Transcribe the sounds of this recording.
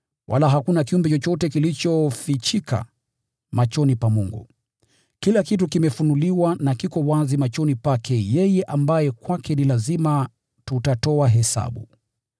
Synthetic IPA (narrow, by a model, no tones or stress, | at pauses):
wʔa̰laɦakunakiumbɛt͡ʃɔt͡ʃɔtɛkilit͡ʃɔfit͡ʃikʰa̰ | mat͡ʃɔnipamuŋɡṵ | kilakitukimɛfunuliwanakikɔwazimat͡ʃɔnipakʰɛjɛjɛʔambajɛkwakɛnilazima | tutatɔaɦɛsa̰ɓṵ